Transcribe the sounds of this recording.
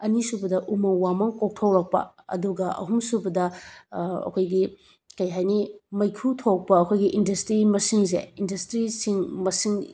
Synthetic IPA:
ɐnisubɐdɐʔumɐwwamɐŋkok̚tʰɐwɾɐk̚pɐ̰ | ɐ̰duɡɐʔɐ̰ɦumsubɐdɐ | ɐ̰kʰojɡi | kɐjɦajnimɐjkʰutʰok̚pɐɐkʰojɡiʔindɐstɾimɐsiŋs̬ḛindɐstɾisiŋmɐsiŋ

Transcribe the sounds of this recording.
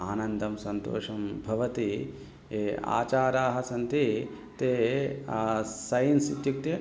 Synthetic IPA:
aːnɐnd̪ʱɐmsɐnt̪o̰ːʂɐmbʱɐʋɐt̪i | ea̰ːt͡ʃaːɾaːɦɐsɐnt̪i | t̪eː | sɐjnsit̪juk̚t̪e

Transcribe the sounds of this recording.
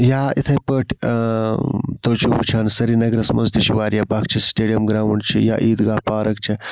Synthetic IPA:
jaːit̪ʰɐpəʈʰ | t̪oːt͡ʃʰubut͡ʃʰaːnsɐɾinɐɡɾɐsmɐzt̪iʃiʋaːɾjaːbɐkt͡ʃʰisʈeːɖijɐmɡɾaːʋɐɳɖt͡ʃʰḭja̰ːʔiːd̪ɡaːpaːɾɐk̚t͡ʃʰɐ

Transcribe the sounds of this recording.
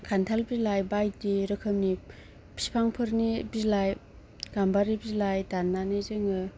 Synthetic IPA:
kʰantʰalbizlajbajdiɾɯkʰɯmni | pʰi̥spʰaŋpʰɯɾnibizlaj | ɡ̥ambaɾibizlajdanːanɯzeŋɯ

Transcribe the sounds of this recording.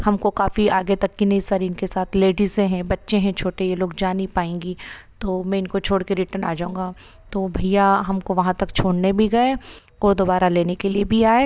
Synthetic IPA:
hɐmkokaːfiaːɡet̪ɐkːinɐɪsaːɾiɪnkesaːt̪ʰleːɖisẽɦɛ̃bɐtːʃeɦɛ̃t͡ʃʰoːʈejeloːɡd͡ʒaːnipaːẽːŋɡit̪oːmɛ̃ːɪnkot͡ʃʰoːɽkeɾɪʈəɾna̰ːd͡ʒaːũːŋɡaː | t̪oːbʱɐjaɦɐmkoʋɐɦãt̪ɐkt͡ʃʰoːɽnebʱiɡɐeɔːɾd̪oːbaːɾaleːnekeliebʱiaːe

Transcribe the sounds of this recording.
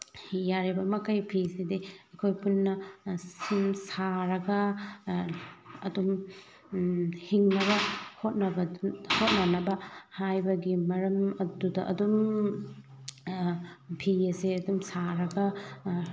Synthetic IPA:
jaɾibɐmɐkɐjpʰisidiɐkʰojpunːɐsimsaɾɐɡɐ | ɐdum | hiŋnɐβɐhot̚nɐbɐhot̚nɐnɐbɐhajbɐɡimɐɾɐmɐdudɐʔɐ̰dum | pʰiɐseɐdumsaɾɐɡɐ

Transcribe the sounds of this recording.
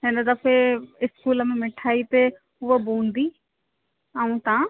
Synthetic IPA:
ɦɪnəd̪ɐfeɪskuːləmẽmɪʈʰaːit̪e | ʊɦəbũːnd̪iː | aũt̪ã

